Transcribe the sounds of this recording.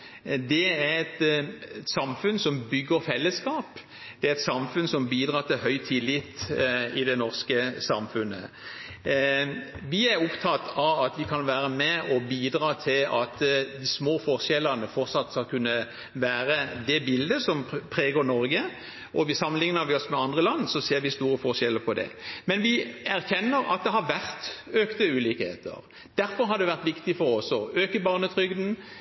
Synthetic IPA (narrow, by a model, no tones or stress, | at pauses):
d̪ɛæɾɛt̪ | sɑmfʉnsɔmbʏɡːəɾfɛlːəskɑːp | d̪̥ɛæɾɛt̪sɑmfʉnsɔmbiːd̪ɾɑːt̪ʰɪlhœʏt̪ʰɪlɪt̪ːɪd̪ɛnɔʁskəsɑmfʉnə̰ | ʋɪæɾʊpt̪ʰɑt̪ːɑʋɑt̪ʋɪkʰɑnʋæːɾəmɛɔbiːd̪ɾɑːt̪ʰɪlɑt̪d̪ɪsmoːfɔʁʂɛlːəʁnəfɔɾt̪sɑt̪ːskɑlkʰʉnːə | ʋæːɾəd̪ɛbɪld̪əsɔmpʰɾeːɡoːɾnɔɾɡə | ʔɔʋɪsɑmːənlɪŋnəɾʋɪɔsmɛɑnd̪ʁəlɑnːsɔseːɾʋɪst̪uːɾəfɔʁʃɛlːəpʰɔd̪ɛ̰mɛnʋɪæɾçɛnːəɾɑ̰t̪̚d̪ɛɦɑɾʋæʁt̪øːkt̪əʉːlɪkhḛːt̪ʰə̰ʁ | d̪̥æɾfɔɾɦɑɾd̪ɛʋæʁt̪ʋɪkt̪ɪfɔɾɔsɔøːkəbɑːʁnət̪ʰʁʏɡd̪n̩